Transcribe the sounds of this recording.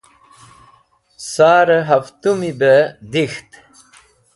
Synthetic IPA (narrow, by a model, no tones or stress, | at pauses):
saːɾəɦaft̪umibəd̪ixt̪